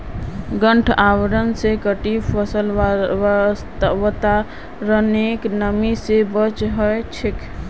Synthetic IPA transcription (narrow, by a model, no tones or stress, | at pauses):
ɡəɳʈʰawɾənsekəʈipʰəsəl | st̪wt̪a | ɾəneknəmisebət͡ʃɦəjt͡ʃʰik